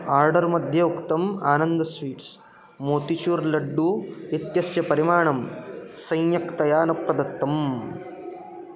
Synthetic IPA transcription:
aːɾɖɐɾmɐd̪ʱjɐukt̪ɐmaːnɐnd̪ɐsʋiːʈs | moːt̪it͡ʃuːɾlɐɖːuit̪jɐsjɐpɐɾimaːɳɐmsɐjnjɐkt̪ɐjaːnɐpɾɐd̪ɐt̪ːɐm

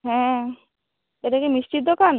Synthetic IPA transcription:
ɦɛ̃ | eɾekemist͡ʃit̪̚d̪okan

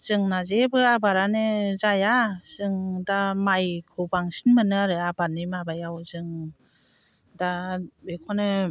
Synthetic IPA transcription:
z̥ɯŋnazebɯabaɾanɯzajaz̥ɯŋdamajkʰɯbaŋsinmɯnɯaɾɯabanimabajawzɯŋ | dabekʰɔnɯ

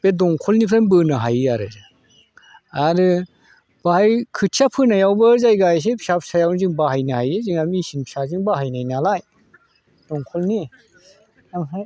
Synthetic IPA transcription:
b̥edɔŋkʰɔlnipʰɾenbɯnɯɦajaɾɯ̰zɯ | aɾɯ | b̥ahajkʰɯt̚t͡ʃʰapʰɯnajawbɯzajɡajs̬epʰsap̚sajawnziŋbaɦajnahajeziŋamisinpʰi̥saziŋbaɦajnajnalaj | d̥ɔŋkʰɔlni | aŋɦaj

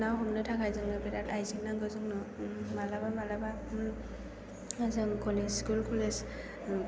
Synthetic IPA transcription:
nawɦɔmnɯtʰakʰajzɯŋnɯbɛdatajziŋnaŋɡɯzɯŋnɔmalabamalaba | zɯŋkʰɔlezskulkʰɔlez

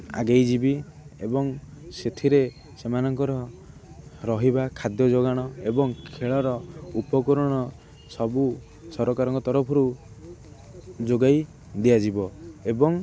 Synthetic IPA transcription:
a̰ɡejd͡ʒibi | ebɔŋ | set̪ʰiɾe | semanɔŋkɔɾɔ | ɾɔɦibakʰad̪jɔd͡ʒoɡaɽ̃ɔebɔŋkʰeɭɔɾɔupɔkɔɾɔɽ̃ɔ | sɔbu | sɔɾɔkaɾɔŋkɔt̪ɔɾɔpʰɔɾu | d͡ʒoɡaj | d̪iad͡ʒibɔebɔŋ

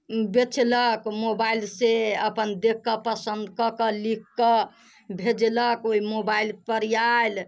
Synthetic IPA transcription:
bet͡ʃʰləkmobailseəpənd̪ekːəpəsənd̪kəkəlikːə | bʱed͡ʒləkoimobailpəɾjajl

